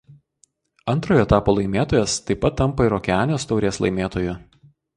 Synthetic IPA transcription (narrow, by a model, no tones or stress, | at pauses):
ɐnt̪ɾoːjoːɛt̪ɑːpoːlˠɐɪmʲeːt̪oːjɛst̪ɐɪpɐt̪ːɐmpɐɪɾoːkʲɛɑːnʲoːst̪ɒʊɾʲeːslˠɐ̰ɪmʲeːt̪oːjʊ